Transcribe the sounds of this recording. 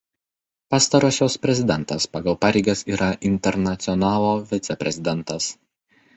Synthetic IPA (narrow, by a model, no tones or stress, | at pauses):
pɑːst̪ɐɾoːsʲoːspʲɾʲɛzʲɪd̪ʲɛnˑt̪ɐspɐɡɐlˠpɑːɾʲɛɪɡɐsiːɾɐʔɪnʲt̪ʲɛɾnɐt̪sʲɪɔnɑːlˠoːʋʲɪt̪sʲɛpʲɾʲɛzʲɪd̪ʲɛnˑt̪ɐs